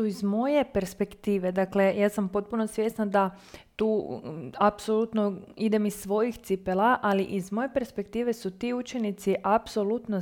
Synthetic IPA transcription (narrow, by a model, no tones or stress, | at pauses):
uizmo̞je̞pe̞ɾspe̞kt̪iːʋe̞d̪akle̞jaːsampo̞t̪̚puno̞sʋje̞st̪nad̪a | t̪uːapso̞lut̪noid̪e̞misːʋo̞jixt̪sipelaʔaliʔizmoje̞pe̞ɾspe̞kt̪iːʋe̞sut̪iːut͡ʃe̞nit̪siʔapso̞lut̪no